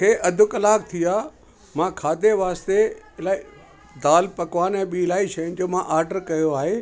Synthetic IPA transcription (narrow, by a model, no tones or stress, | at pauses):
kʰeːʔɐd̪ʱʊkɐlaːk̚t̪ʰiaː | mãkʰaːd̪ʱeʋaːst̪elai | d̪aːlpɐkʋaːnɛ̃ːɓilaːiʃɐjʊ̃nɪ̆d͡ʑoːmãʔaːɾɖəɾkɐjoaːɦeː